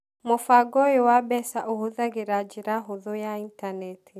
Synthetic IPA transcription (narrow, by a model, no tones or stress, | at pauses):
mofaɡɔjowabɛsaʔohoðaɣeɾad͡ʒeɾaɦoðojaintanɛtʰi